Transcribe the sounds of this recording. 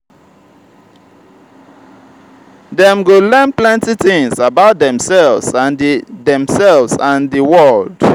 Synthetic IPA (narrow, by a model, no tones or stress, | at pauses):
ðɛ̃mɡolɛ̃nplɛ̃ntiθĩŋsabaʊt̚dɛ̃msɛlvsãnðɛ̃msɛlvsãnðəwɔld̥